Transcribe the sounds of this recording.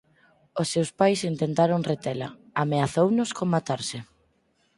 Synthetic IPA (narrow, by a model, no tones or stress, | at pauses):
ʊsːewspajsint̪ent̪aɾoŋret̪elɐ̰ | ameaθownʊskoŋmat̪aɾsɪ